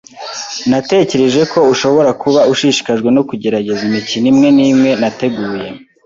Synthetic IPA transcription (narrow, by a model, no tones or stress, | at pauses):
nate̞ce̞ɾe̞ʒe̞ko̞uʃo̞βo̞ɾakuβauʃiʃi̥kaʒɡwe̞no̞kuɟe̞ɾaɟe̞zimicinimŋe̞niːmŋe̞nate̞ɡuːje̞